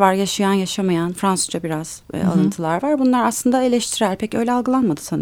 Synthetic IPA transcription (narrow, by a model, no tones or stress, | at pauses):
vaɾjaʃɯjanjaʃamajanfɾansuzd͡ʒabiɾaz̥̰a̰lˠɯnt̪ʰɯlˠaɾvaɾbunlˠaɾaslˠɯnd̪ae̞lʲɛʃt̪ʰiɾæɾpʰecø̞jlʲɛalˠɡɯlˠanmad̪ɯ̥san